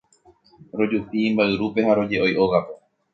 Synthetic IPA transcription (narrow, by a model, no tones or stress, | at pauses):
ɾo̞d͡ʒupiːmbaɨɾupe̞haɾo̞d͡ʒe̞ʔo̞jʔoɣape̞